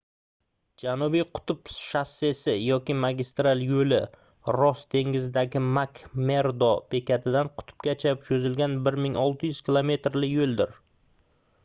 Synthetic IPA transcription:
d͡ʒanubijqʰʊ̥t̪ʰʊpʃase̞sɪjɒkʲimaɡʲist̪ɾalˠjɵlɪ | ɾɒst̪ʰe̞ŋɪzɪd̪aɡʲɪmakme̞ɾd̪opʰe̞kʲat̪ʰɪd̪anqʰʊ̥t̪ʰʊ̥p̚kʲat͡ʃʰapʃɵzɪlɡʲanbɪɾmɪŋɒlˠt̪ʰɪjʏz̥kʲilˠome̞t̪ɾlɪjolˠd̪ɪɾ

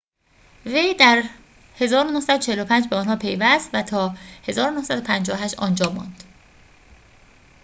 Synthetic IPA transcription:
ve̞jd̪æɾ | he̞zɒːɾonohsæd̪ot͡ʃʰehelopʰænd͡ʒbeɒːnhɒːpʰe̞jvæst̪væt̪ʰɒːhe̞zɒːɾonohsæd̪o̞pʰænd͡ʒɒːohæʃt̪ɒːnd͡ʒɒːmɒ̰nd̪̥

